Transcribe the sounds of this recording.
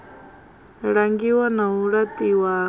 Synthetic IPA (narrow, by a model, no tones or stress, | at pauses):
ɽaŋɡiwanauɽat̪iwa